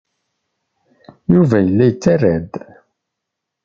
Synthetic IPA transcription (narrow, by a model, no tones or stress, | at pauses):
juvæjəlːæjt͡sːarːæd̪